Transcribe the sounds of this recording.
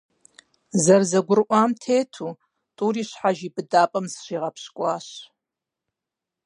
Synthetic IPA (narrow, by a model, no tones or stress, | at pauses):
zɐrzɐɡʷʊrʔʷaːmtʰeːtʰuː | tʼuːɾiːɕħaʒibɨdaːpʼɐmzɕiːʁɐpɕkʷʼɑːɕ